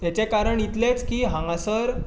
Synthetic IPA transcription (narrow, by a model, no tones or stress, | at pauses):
t̪jat͡ɕekaɾəɳjit̪let͡skiːɦãŋɡasəɾ